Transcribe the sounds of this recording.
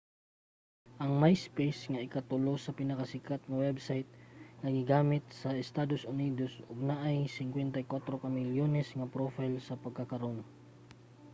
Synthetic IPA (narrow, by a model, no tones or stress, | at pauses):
ʔɐŋmajspejsŋɐɪkɐt̪ʊlosɐpɪnɐkɐsɪkat̪̚ŋɐwɛbsajt̪̚ŋɐɡɪɡaːmɪt̪̚sɐɛst̪aːd̪osʊniːd̪osʊɡ̚naʔajsɪŋkwɛnt̪ɐjkwat̪ɾokɐmɪljonɛsŋɐpɾofajlsɐpɐɡ̚kakɐɾoŋ